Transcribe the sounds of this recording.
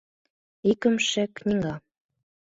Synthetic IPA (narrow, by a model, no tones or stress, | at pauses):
ikə̆mʃeknʲiŋɑ